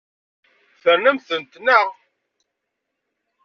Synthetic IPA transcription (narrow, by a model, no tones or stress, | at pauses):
θəɾnəmθənt̪nə